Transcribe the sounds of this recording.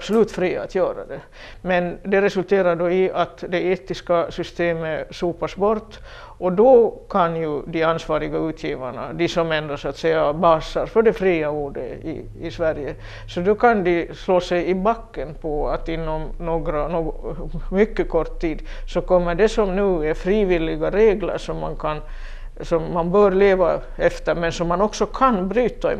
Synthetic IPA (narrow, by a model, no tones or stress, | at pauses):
b̥sɔlʉːt̪fɾiːaat̪ʰjœːɾa̰d̪ɛ | mɛnd̪ɛɾɛsʉlt̪ʰeːɾaɖɔɪʔat̪d̪ɛeːt̪ɪskasʏst̪eːməʂuːpasbɔɾt̪ː | ʔɔd̪ɔkʰanjɵd̪ɪansvɑːɾɪɡaʉːt̪ʰjiːvaɳa̰d̪ɪsɔmɛnd̪ɾasʊat̪sɛjːabɑːsaɾfœɖɛfɾiːauːɖə̰ɪ̰ | ɪsʋæɾjə | sɔd̪ɔkʰand̪ɪsloːsɛjɪbakːənpʰɔat̪ɪnːɔmnoːɡɾanoːɡmʏkːəkʰɔʈ̪ʰːiːd̪sɔkʰɔmːəɖɛsɔmnʉ̟ːɛɾfɾiːvɪlːɪɡaɾeːɡlə̰ɾʂɔmːankʰan | sɔmːanbœːɾleːva | ɛft̪əɾmɛnsɔmːanɔksɔkʰanbɾyːt̪aɪ̰